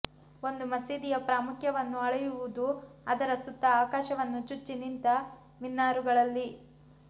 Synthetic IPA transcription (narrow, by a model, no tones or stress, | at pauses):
o̞nd̪umɐsiːd̪ijɐpɾaːmukʰjɐʋɐnːuɐɭɐjuʋud̪uɐd̪ɐɾɐsut̪ːɐːkaːʃɐʋɐnːut͡ʃut͡ʃːinint̪ɐ | minːaːɾuɡɐɭɐlːi